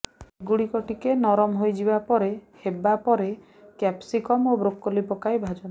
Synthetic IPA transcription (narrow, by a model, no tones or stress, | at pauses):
iɡuɽikɔʈikenɔɾɔmɦojd͡ʒibapɔɾehebapɔɾe | kɛpsikɔmobɾokːɔlipɔkajbʱad͡ʒɔn